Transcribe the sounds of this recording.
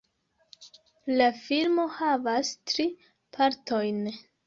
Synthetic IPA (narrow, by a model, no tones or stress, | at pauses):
lafilmo̞havastɾi | pʰaɾto̞jn